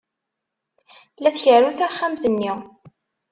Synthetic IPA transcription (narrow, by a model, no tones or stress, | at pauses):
læθçəɾuθæχːamθənːi